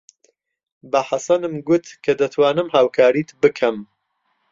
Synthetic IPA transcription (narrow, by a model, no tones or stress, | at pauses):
bɐħasɐnɨmɡʊt̪kʰɐd̪ɐt̪ʰwaːnɨmhaːwkʰaːɾiːt̪bɨkʰɐm